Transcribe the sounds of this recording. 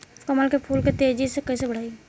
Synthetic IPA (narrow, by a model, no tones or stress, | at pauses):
skɐməlkepʰuːlket̪eːd͡ʒisekɐisebəɽ̤aːi